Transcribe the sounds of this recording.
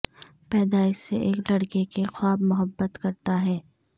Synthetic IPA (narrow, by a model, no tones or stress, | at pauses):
pɛːd̪aːɪʃseʔeːklɐɽkekexwaːbmʊɦəbːət̪kɐɾt̪aɦɛː